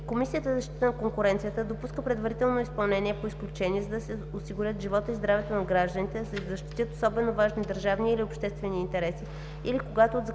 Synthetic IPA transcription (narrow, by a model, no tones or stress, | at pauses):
komisijət̪əzɐʃt̪i̥t̪ənɐkoŋkʊɾɛnt̪sijət̪əd̪opuskəpɾɛd̪vɐɾit̪ɛlˠnoispɐlˠnɛniɛpoisklʲut͡ʃɛniɛzɐd̪ɐsɛosiɡʊɾʲət̪ʒivɔt̪əizd̪ɾavɛt̪onɐɡɾaʒd̪ənit̪ɛsɛzɐʃt̪i̥t̪jɤt̪osɔbɛnovaʒnid̪əɾʒavniːliopʃt̪ɛst̪vɛniːnt̪ɛɾɛsi | ilikoɡat̪oːd̪z